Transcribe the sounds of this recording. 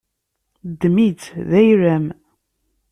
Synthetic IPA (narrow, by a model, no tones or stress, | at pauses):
d̪ːmit͡sðæjɾæm